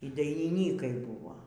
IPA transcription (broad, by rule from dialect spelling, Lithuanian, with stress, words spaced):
iː dɐɪnʲɪˈnʲiːkɐɪ ˈbuːʋoː